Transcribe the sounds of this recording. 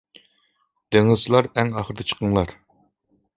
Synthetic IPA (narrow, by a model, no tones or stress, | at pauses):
d̪̥eŋɪzlˠɑɾɛŋɑχəɾd̪ɛt͡ʃʰə̥qʰəŋlˠɑɾ